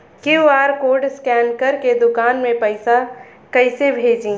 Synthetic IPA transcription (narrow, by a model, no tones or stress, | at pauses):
kiuaːɾkoːɖskɛːnkəɾked̪ʊkaːnmẽpəɪsa | kəɪsebʱeːd͡ʒĩ